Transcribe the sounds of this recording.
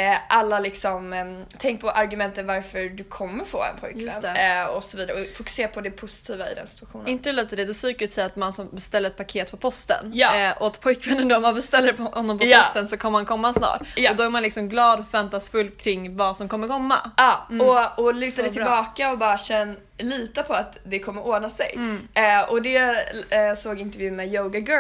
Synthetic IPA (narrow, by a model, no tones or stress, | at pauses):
ʔalːalɪksɔmt̪ʰɛŋk̚pʰɔʔaɾɡɵmɛnt̪ənvaɾfœdɵkʰɔmːəɾfo̰ːɛ̰npʰɔjkjvɛ̰nt̪ɔsɔviːd̪aɾɔfʊkɵ̥seːɾapʰɔd̪ɛpʰʊsɪ̥t̪ʰiːvaɪ̰d̪ɛ̰nsɪ̥t̪ʰʉaɧṵːnɪnt̪əɛlɛːt̪d̪ɛd̪ɛsyːkət̪sɛat̪mansɔmbɛst̪ɛlːəɾɛt̪̚pʰakʰeːt̪̚pʰɔpʰɔst̪ə̰njɑʔɔat̪pʰɔjkʰvɛnːənd̪ɔmanbɛst̪ɛlːəɾpʰɔhɔnːɔmpɔɔst̪ənsɔkʰɔmːɾmankʰɔmːasnɑ̰ːʈːɔd̪ɔæɾmanlɪksɔmɡlɑːd̪ɔfɛnt̪asfɵlːkʰɾɪŋːvasɔmkʰɔmːəɾkʰɔmːa̰ɑːɔɔlʉ̟ːad̪ɛɪlbɑːkaɔbɑːɾaɕɛnː | liːt̪apʰɔat̪d̪ɛkʰɔmːəɾoːɳasɛ̰j | ɔd̪ɛ | soːɡɪnt̪əɾvjʉ̟ːmɛjoːɡaɡə